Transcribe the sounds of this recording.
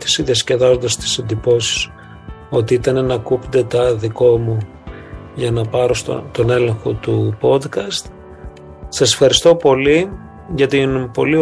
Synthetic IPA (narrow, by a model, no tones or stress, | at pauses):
t̪i̥siðiɐsce̞ðɐzond̪ɐst̪i̥se̞nd̪ipo̞si̥s | o̞t̪iit̪ɐne̞nɐkupnd̪e̞t̪ɐðiko̞mu | ʝɐnɐpɐɾo̞st̪o̰t̪o̞ne̞le̞ŋxo̞t̪upo̞d̪kɐst̪ | sɐse̞̥fxɐɾist̪o̞po̞li | ʝɐt̪inpo̞̰li